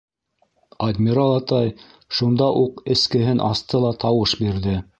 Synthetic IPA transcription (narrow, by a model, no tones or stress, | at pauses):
ad̪ʲmʲiɾɑlˠɑt̪ɑj | ʃund̪ɑʔuqɘ̆skɘ̆ɦɘnʔɑst̪ɤlˠɑt̪ɑwɤʃbiɾðɘ